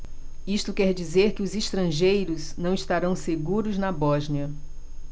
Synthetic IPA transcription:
ist̪ʊkɛɾd͡ʒizeɾkɪʊziʃt̪ɾɐ̃ʒejɾʊznɐ̃w̃iʃt̪aɾɐ̃w̃seɡuɾʊznɐbɔʒniɐ

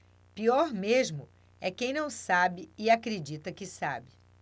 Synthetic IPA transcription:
piɔɾmeʒmʊ | ɛkẽj̃nɐ̃w̃sabɪɪakɾed͡ʒit̪ɐkɪsabɪ

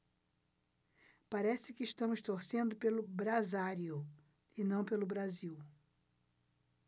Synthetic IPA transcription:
paɾɛsɪkɪːʃt̪ɐ̃mʊst̪oɾsẽnd̪ʊpelʊbɾazaɾiʊ | ɪnɐ̃w̃pelʊbɾaziw

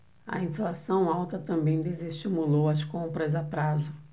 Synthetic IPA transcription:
ɐ̰ĩflasɐ̃w̃awt̪ɐt̪ɐ̃mbẽj̃d̪ezeʃt͡ʃimulowɐskõmpɾɐzapɾazʊ

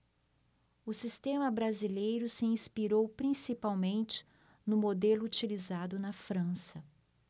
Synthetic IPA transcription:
ʊsist̪ẽmɐbɾazilejɾʊsɪĩspiɾowpɾĩsipawmẽnt͡ʃɪ̥ | nʊmod̪elʊːt͡ʃilizad̪ʊnɐfɾɐ̃sɐ

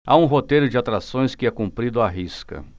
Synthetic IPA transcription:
aũɦot̪ejɾʊd͡ʒɪat̪ɾasõj̃skɪɛkũmpɾid̪ʊaɦiskɐ̰

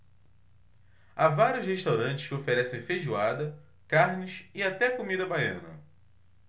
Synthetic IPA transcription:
avaɾjʊsheʃt̪awɾɐ̃nt͡ʃɪ̥ʃkɪofeɾɛsẽfeʒuad̪ɐ | kaɾnɪsɪat̪ɛkomid̪ɐbajɐ̰̃nɐ̰

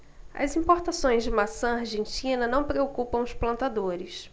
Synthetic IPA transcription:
ɐ̰zĩmpoɾt̪asõj̃zd͡ʒɪmasɐ̃aɾʒẽnt͡ʃĩnɐnɐ̃w̃pɾeokupɐ̃w̃ʊsplɐ̃nt̪ad̪oɾɪs

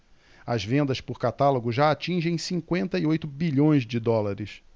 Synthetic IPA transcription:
ɐzvẽnd̪ɐspʊɾkat̪aloɡʊʒaat͡ʃĩʒẽj̃sĩŋkwẽnt̪ɐiojt̪ʊbiʎõj̃zd͡ʒɪd̪ɔlaɾɪs

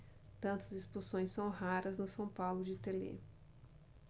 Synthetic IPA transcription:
t̪ɐ̃nt̪ɐzɪspusõj̃sɐ̃w̃ɦaɾɐznʊsɐ̃w̃pawlʊd͡ʒɪt̪elḛ

